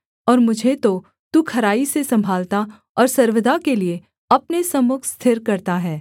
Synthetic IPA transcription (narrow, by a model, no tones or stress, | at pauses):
ɔːɾmʊd͡ʒʱet̪o | t̪ukʰɐɾaːisesɐ̃mbʱaːlt̪a | ɔːɾsɐɾʋəd̪akelie | ɐpnesɐmʊkʰst̪ʰɪɾkɐɾt̪aɦɛː